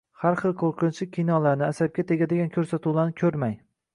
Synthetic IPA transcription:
haɾχɨlˠqʰoɾqʰɨnt͡ʃʰɪkʲʰinɒlaɾnɪasab̚ʲat̪ʰeɡʲad̪ɪɡʲankʲʰɵɾsat̪ʰuwlaɾnɪkʲʰɵɾmaj

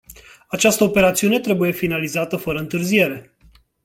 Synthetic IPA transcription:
at͡ʃast̪əope̞ɾat̪siune̞t̪ɾe̞buje̞finalizat̪əfəɾəɨnt̪ɨrzie̞ɾe̞

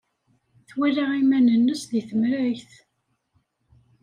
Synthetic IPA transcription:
θwiraʁimænənːəsðiθəmɾæjθ

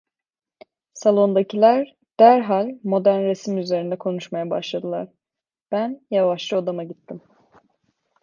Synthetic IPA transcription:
salˠo̞nd̪acʰilʲæɾ | d̪̥æɾɦalʲmo̞d̪æɾnɾesimyze̞ɾind̪ɛkʰo̞nuʃmajabaʃlˠad̪ɯlˠa̰ɾ̥ | b̥ænjavaʃlˠɯod̪amaɟit̪ʰːim

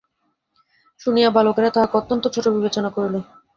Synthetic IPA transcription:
ʃunijabalokeɾat̪aɦakot̪ːont̪ot͡ɕʰoʈːobibet͡ɕonakoɾilo

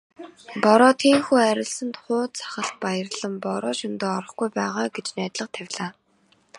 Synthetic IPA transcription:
pɔɾɔːt̪ʰeːŋxuːæɾʲɪ̆ɮsə̆nt̪χʊːt̪t͡sʰḁχə̆ɬt̪̚pajə̆rɮə̆mpɔɾɔːʃʊnt̪oːɔɾɞ̆χɡujpæːʁaːɡet͡ɕnæːt̪ɮə̆qt̪ʰæwʲɮaː

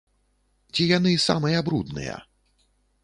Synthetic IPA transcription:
t͡sʲijanɨsa̰mɨjɐabɾud̪nɨ̰jɐ̰

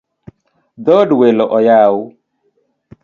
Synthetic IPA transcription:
d̪ɔɖuwelɔʔɔjaːwu

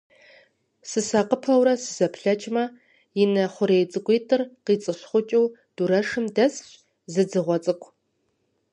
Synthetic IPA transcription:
sɨsaːqəpʰɐwrɐsɨzɐpʰɬɐt͡ʃʼmɐ | jɪnɐχʷʊɾejt͡sʼɨkʷeːtʰɨrqiːt͡sʼɨɕχʷʊt͡ʃʼɪwd̥uɾɐʂɨmdɐsɕ | zɨd͡zɨʁʷɔt͡sʼɨkʷʰ

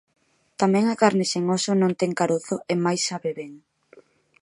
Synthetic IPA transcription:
t̪amɛ̃ŋakaɾnɪseŋosʊnõŋt̪ɛŋkaɾoθʊemajsːaβeβeŋ

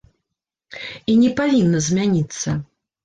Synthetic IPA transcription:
inʲɛpavʲinːɐzʲmʲanʲit̪sːɐ

